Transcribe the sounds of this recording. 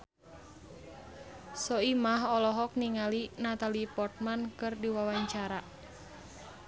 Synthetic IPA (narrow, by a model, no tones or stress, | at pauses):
sɔimaɦɔlɔɦɔk̚niŋalinat̪alipɔrt̪̚mankɨrdiwawaɲt͡ʃaɾa